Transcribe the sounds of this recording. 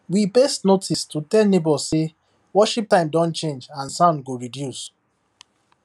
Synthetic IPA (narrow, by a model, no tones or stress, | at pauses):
wibestnotʰistʰutɛlnebɔse | wɔʃip̚tãɪ̃mdɔ̃nt͡ʃẽnd͡ʒãnsãʊ̃ndɡoɹidjus